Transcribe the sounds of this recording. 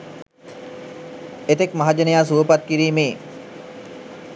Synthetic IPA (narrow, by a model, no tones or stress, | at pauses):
et̪ekmaɦad͡ʒənejaːs̬uʋəpat̪kiɾiːmeː